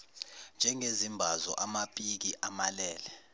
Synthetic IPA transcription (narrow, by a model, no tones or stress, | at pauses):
nd͡ʒʱɛŋezimbʱazɔ̰ʔamapʼik̬iʔamalɛːlɛ